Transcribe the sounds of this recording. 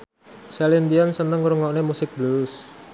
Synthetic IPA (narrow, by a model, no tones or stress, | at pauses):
sɛlind̪iansənəŋɾuŋɔʔnemusɪk̚blus